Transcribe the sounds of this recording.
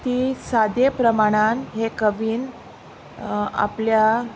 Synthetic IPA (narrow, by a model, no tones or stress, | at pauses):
t̪iːsad̪epɾəmaɽ̃anɦekəʋiːn | a̰plja